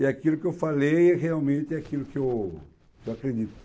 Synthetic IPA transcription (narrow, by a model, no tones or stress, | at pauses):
iakilʊkɪewfalejreawmẽnt̪ɪakilʊkɪew | kewakɾed̪it̪ʊ̥